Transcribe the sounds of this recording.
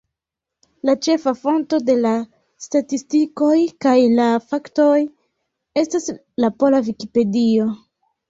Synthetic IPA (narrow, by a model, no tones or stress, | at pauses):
lat͡ʃe̞fafo̞nto̞de̞la | statistiko̞jkajlafakto̞j | e̞stas | lapo̞lavikipe̞dio̞